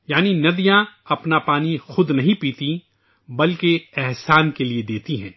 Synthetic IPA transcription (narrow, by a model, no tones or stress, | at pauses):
jaːninɐd̪ijãɐpnapaːnixʊd̪nɐɦĩpiːt̪i | bɐlkeɛɦsaːnkelied̪eːt̪iɦɛ̃ː